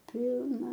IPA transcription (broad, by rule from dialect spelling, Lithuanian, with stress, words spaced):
ˈpʲɪlˠnɐ